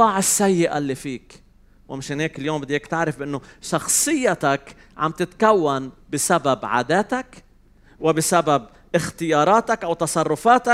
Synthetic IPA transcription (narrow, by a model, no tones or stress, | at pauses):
ɑːʕɪsːajːɪʔa̰lːifiːk | wʔɪmɪʃɪnheːkɪljoːmbɪd̪ːeːkt̪ɪʕɾɪfbʔɪnːʊʃɑxsˤɨjːat̪ak | ʕa̰mt̪ɪt̪kawːanbɪsababʕa̰ːd̪aːt̪ak | wɪbɪsabab̚ | ʔɪxt̪ɪjɑːɾˤɑːt̪akʔawt̪ɑsˤɑrˤːʊfaːt̪ak